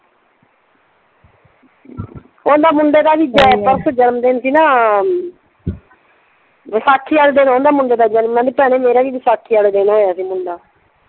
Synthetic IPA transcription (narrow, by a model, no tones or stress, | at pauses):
õːnd̪aːmʊɳɖeːd̪aːʋid͡ʒaːpəɾsəd͡ʒənmd̪eːnsiːnaː | ʋəsaːkʰːiːaɽd̪eːnaːõnd̪aːmʊɳɖeːd̪aːd͡ʒaːnːãːd̪iːpɛːɽ̃ẽːmeːɾaːʋiːʋəsaːkʰːiːaɽd̪eːnaːɦoːjaːsiːmʊɳɖaː